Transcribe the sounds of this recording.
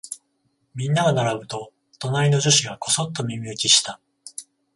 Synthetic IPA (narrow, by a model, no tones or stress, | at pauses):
mʲĩnːaɡanaɾabɯ̟t̪o̞ | t̪o̞naɾʲino̞ʑoɕiɡako̞so̞t̪ːo̞mʲimʲiɯkʲiɕi̥t̪a